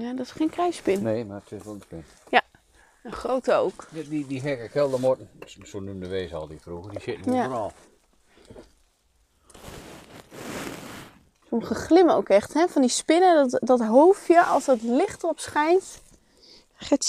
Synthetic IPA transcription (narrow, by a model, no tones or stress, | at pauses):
jadɔtɪsχeːnkrɛjspɪnneːmaətʰɪsʋɛlˠənspɪn | ja | ənχrowtəowkdidiɦɛkəkʰɛlˠdəmɔtn̩sonumdəʋeːzəɔ̰lˠdikfruɣədisɪtnjanɔː | soməχəxlɪməowkɛxthɛfɔndispɪnədtdɔtɦoːfjəʔɔlˠsdɔtlɪχtəɔpsχɛjnt | χɛ